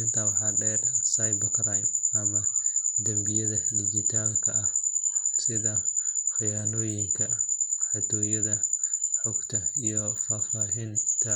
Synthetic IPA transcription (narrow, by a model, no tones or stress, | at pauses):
ɪnt̪ʰɐwɑħɑːɖɛːrsɐjbɐkɾajnʔɐmɐd̪ɐmbɪjɐðɐdɪd͡ʒɪt̪ʰaːlkʰɐʔɐhsɪðɐħɪjaːnɔːjɪŋkʰɐħat̪ʰɔːjɐðɐħɔɡt̪ʰɐijɔfaːfaːɦint̪ʰɐ